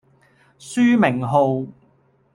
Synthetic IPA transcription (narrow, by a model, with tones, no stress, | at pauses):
syː˥mɪ˨˩ŋɦo˨˧w